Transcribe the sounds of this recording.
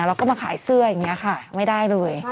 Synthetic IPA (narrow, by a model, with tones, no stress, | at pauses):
ɾa˧wkɔː˥˩maː˧kʰaː˩˦jsɯ˥˩ɐja˨˩ŋːi˦˥ɐ˧kʰa˥˩ma˥˩jda˥˩jlɤː˧j